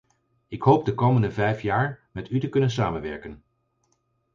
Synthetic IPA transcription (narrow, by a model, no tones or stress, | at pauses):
ɪkɦowp̚dəkowməndəvɛjfjaːɹmɛtytəkɵnəns̬aːmənʋɛɹkən